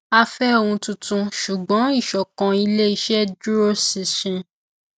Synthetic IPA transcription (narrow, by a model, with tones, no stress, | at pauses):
a˦fɛ˦o˦˨wũ˧tũ˧tũ˧ʃu˨ɡ͡bɔ̃˨˦i˦˨ʃɔ˨kã˨˧i˧le˦i˧˦ʃɛ˦du˦ɾo˦si˨ʃĩ˧